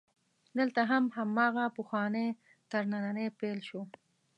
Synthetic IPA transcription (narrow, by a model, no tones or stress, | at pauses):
d̪əlt̪aɦamɦamɑɣapʊxwɑne | t̪aɾnananepelʃo